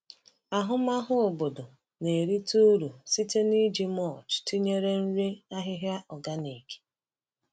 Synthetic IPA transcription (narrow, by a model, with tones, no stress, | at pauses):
a˨ɦʊ˦ma˦ɦʊ˦o˨bo˨do˨ | ne˨e˨ɾi˦tu˦ɾu˨si˦te˦ni˦d͡ʒi˦mɔ˦˨t͡ʃti˦ɲe˦ɾe˦n̩˦ɾe˦a˦ɦɪ˦ɦja˦ɔ˨ɡa˦ne˨ke̥˦